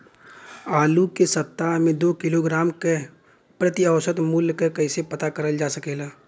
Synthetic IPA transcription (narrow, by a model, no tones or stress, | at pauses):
aːlukesɐt̪ːaɦmẽd̪oːkɪloɡɾaːmke | pɾət̪iəwsət̪muːljkəkɐɪsepɐt̪akəɾəld͡ʒaːsəkeːlaː